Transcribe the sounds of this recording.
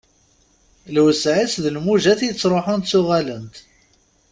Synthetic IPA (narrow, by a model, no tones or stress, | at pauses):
lwəsʕisðəlmuʒæθjət͡sːɾˤoħʊnt̪θʊʁælənt̪